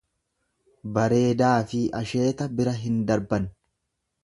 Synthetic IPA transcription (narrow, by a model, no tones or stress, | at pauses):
bɐɾe̞ːd̪aːfɪʔɐʃe̞ːt̪ɐbɪɾɐɦɪnd̪ɐɾbɐn